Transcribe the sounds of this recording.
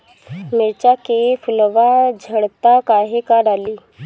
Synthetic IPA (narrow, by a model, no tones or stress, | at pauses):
mɪɾt͡ʃakefʰʊlʋad͡ʒʱəɽt̪akaːɦekaɖaːliː